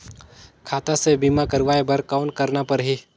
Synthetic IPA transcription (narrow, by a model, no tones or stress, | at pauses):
kʰaːt̪asebiːmakəɾʋaːebəɾkaʊnkəɾnapəɾɦi